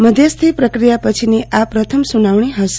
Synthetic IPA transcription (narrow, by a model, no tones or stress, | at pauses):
məd̪ʱjəst̪ʰipɾəkɾijapət͡ʃʰiniapɾət̪ʰəmsunaʋɳiɦəs